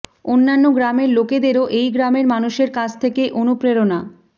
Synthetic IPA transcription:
onːanːoɡɾameɾloked̪eɾoʔejɡɾameɾmanuʃeɾkat͡ɕʰt̪ʰekeʔonupɾeɾona

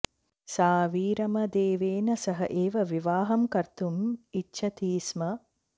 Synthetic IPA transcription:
saːʋiːɾɐmɐd̪eːʋeːnɐsɐɦɐʔeːʋɐʋiʋaːɦɐmkɐɾt̪umitːʃʰɐt̪iːsmɐ

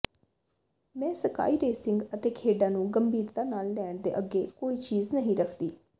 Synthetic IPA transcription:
mɛ̃ːsəka̰ːiːɾeːsɪŋɡət̪eːkʰeːɖãːnũːɡəmbʱiːɾt̪aːnaːlːɛːɳd̪ḛːʔəɡeːkoːiːt͡ʃiːznəɦĩɾəkʰd̪iː

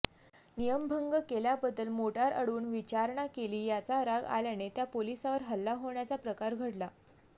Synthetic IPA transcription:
nijəmbʱəŋɡəkeljabəd̪ːəlmoʈaɾə̰ɽuːnʋit͡ɕaɾɳakeliːjat͡saɾaɡa̰ljanet̪japolisaʋəɾɦəlːaɦoɳjat͡sapɾəkaɾɡʱəɽla

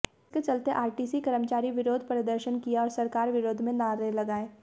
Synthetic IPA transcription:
ɪsket͡ʃɐlt̪eʔaːɾʈiːsikɐɾəmt͡ʃaːɾiʋɪɾoːd̪ʱpɾəd̪əɾʃənkijaɔːɾsɐɾkaːɾʋɪɾoːd̪ʱmẽnaːɾelɐɡaːeː

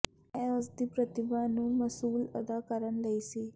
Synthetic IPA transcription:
ɛ̃əsd̪ipɾət̪ɪbãnũmɐsuːlɐ̰d̪akəɾənleisiː

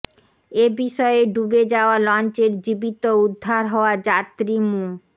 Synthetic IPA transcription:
ebiʃɔeɖubed͡ʑaoalɔnt͡ɕeɾd͡ʑibit̪oud̪ʱːaɾɦɔoad͡ʑat̪ːɾimu

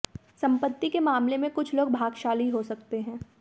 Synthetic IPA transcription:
sɐ̃mpət̪ːikemaːmlemẽkʊt͡ʃʰloːɡ̚bʱaːɡʃaːliɦosɐkt̪eɦɛ̃ː

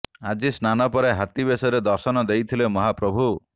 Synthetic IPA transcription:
ad͡ʒisnanɔpɔɾeɦat̪ibesɔɾed̪ɔɾsɔnɔd̪ejt̪ʰilemɔɦapɾɔbʱu

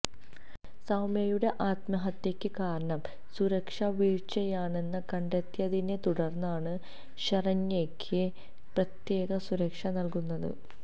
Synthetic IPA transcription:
sɐwmɐjuɽe̞ʔaːt̪mɐɦɐt̪ːjekʲːɨkaːɾɐɳɐm | suɾɐkʂɐʋiːɻt͡ɕːɐjaːɳe̞nːɐkɐɳɖet̪jɐðinet̪uɽɐrnːaːɳɨ | ɕɐrɐɲːekʲʰːɨ | prɐt̪je̞ːɣɐsuɾɐkʂɐnɐlkunːɐðɨ̰

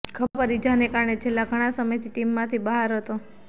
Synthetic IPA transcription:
kʰəpəɾid͡ʒanekaɾɳet͡ʃʰelːãɡʱəɽ̃ãsəməjt̪ʰiʈimːãt̪ʰibəɦaɾɦət̪o

